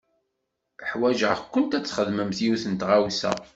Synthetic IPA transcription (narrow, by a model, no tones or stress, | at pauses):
əħwæʒəʁkʷːənt̪æt͡sːχəðməmθiuθənt̪ʁawsæ̰